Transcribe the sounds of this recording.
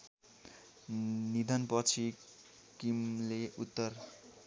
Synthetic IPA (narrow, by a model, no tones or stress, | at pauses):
nid̪ʱʌnpʌt͡sʰi | kimleut̪ːʌr